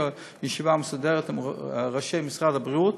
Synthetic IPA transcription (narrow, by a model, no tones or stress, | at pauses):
jiʃivamesad̪ɛʁət̪ʁaʃejmɪsʁad̪abʁiut̪